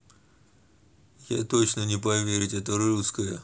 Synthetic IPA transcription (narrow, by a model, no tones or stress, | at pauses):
ja̰t̪ot͡ɕnənʲɪpɐvʲeɾʲɪtʲɛt̪ərɾuskəjə